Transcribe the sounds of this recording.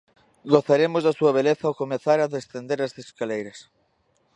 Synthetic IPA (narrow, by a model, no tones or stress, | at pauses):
ɡoθaɾemozðasuɐβ̞eleθɐokomeθaɾaðesθend̪eɾɐsθeskalejɾɐs